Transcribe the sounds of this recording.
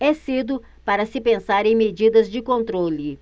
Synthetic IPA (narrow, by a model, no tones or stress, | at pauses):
ɛsid̪ʊ | paɾɐsɪpẽsaɾẽj̃med͡ʒid̪ɐzd͡ʒɪkõnt̪ɾolɪ